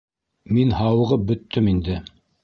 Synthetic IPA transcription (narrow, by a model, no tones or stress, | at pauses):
minhɑwɤ̆ʁɤp̚bɵ̆t̪ʰːɵmind̪ɘ